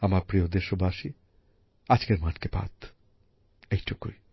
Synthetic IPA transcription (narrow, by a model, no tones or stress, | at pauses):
amaɾpɾiod̪eʃobʱaʃi | ad͡ʑkeɾmaʈkepa̰t̪ | ejʈʰukːṵi